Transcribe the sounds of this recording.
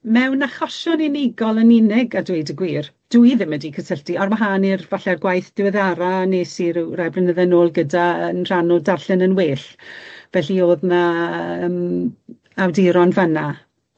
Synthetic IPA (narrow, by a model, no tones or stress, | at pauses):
mɛwnaχɔʃɔninɪɡɔlˠənɪnɪɡadwejdəɡwiːr | d̥uiðɪmədikʰəsʰəɬtiarməɦaːnirvaɬɛrɡwajθd̥ɪwɛðaɾaneːsiɾurabrənəðɛnoːlˠɡədaənr̥anɔdarɬɪnənweːɬvɛɬioːðnaəm | awdiɾɔnvəna